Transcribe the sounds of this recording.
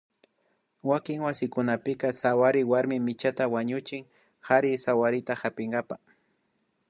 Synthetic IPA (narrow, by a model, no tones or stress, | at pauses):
wakɪŋwasɪkʊnapɪkɑsawaɾɪwaɾmɪmɪt͡ʃat̪awaɲʊt͡ʃɪŋ | haɾɪsawaɾɪt̪ahapɪŋɡapa